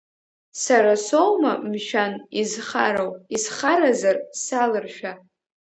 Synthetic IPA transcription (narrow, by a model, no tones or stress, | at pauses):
saɾasowmamʃᶣanizχaɾowisχaɾazarsalɨrʃᶣa